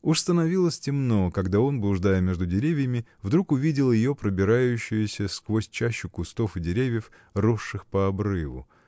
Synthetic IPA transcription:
ʊʂst̪ənɐvʲilˠəsʲtʲɪmno̞kɐɡd̪ao̞nblˠʊʐd̪ajəmʲe̞ʐd̪ʊdʲɪɾʲevʲjəmʲɪvd̪ɾukʊvʲidʲɪlˠjɪjopɾəbʲɪɾajʉɕːɪjʊsʲəskvo̞sʲt͡ɕæɕːʊkʊst̪o̞fɨdʲɪɾʲevʲjəf | roʂːɨxpəɐbɾɨvʊ̰

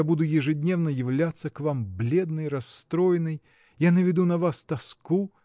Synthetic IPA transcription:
abud̪ʊjɪʐɨdʲnʲe̞vnəjɪvlʲat̪sːəkvamblʲed̪̚nɨjɾɐst̪ɾojɪnɨj | janəvʲɪd̪unɐvast̪ɐsku

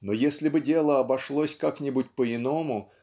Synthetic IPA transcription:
nojesʲlʲɪbɨdʲe̞lˠəɐbɐʂlˠosʲkaknʲɪbut̚ʲpəɪnomʊ

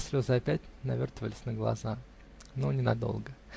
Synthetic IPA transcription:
sʲvʲozəɐpʲætʲnɐvʲo̞rt̪əvəlʲɪ̥sʲnəɡlˠɐ̰za | nonʲɪnɐd̪o̞̰lˠɡə

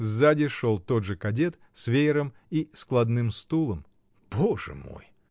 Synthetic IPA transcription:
zadʲɪʂolˠt̪o̞d̪ʐɨkɐdʲet̪ | svʲejɪɾəm | isklˠɐd̪nɨmst̪ulˠəm | b̥oʐɨ̰mo̞̰j

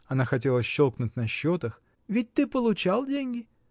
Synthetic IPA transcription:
ɐnaxɐtʲelˠəsɕːolˠknʊtʲnɐɕːot̪əx | vʲɪt̚ʲt̪ɨpəlˠʊt͡ɕalˠdʲenʲɡʲɪ

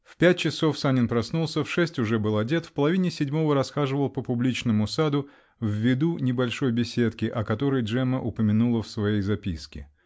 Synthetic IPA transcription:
fpʲæt̚ʲt͡ɕɪso̞fsanʲɪnpɾɐsnulˠsʲəfʂɛsʲtʲʊʐɛbɨlˠɐdʲe̞t̪fpəlˠɐvʲinʲɪsʲɪdʲmo̞vəɾɐsxaʐɨvəlˠpəpʊblʲit͡ɕnəmʊsad̪ʊ | vʲːɪd̪unʲɪbɐlʲʂo̞jbʲɪsʲe̞t̪kʲɪʔɐkɐt̪o̞ɾəjʐɛməʔʊpəmʲɪnulˠəfsvɐjejzɐpʲiskʲɪ̰

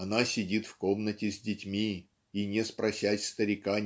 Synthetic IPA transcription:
ɐnasʲɪdʲit̪fko̞mnətʲɪzʲdʲɪtʲmʲi | inʲespɾɐsʲæsʲst̪əɾʲɪka

